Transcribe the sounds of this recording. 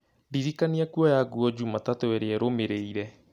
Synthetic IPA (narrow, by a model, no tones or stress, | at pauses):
ndiɾikaniakuɔjaɡuɔd͡ʑumatatoɛɾeɛɾomeɾeiɾɛ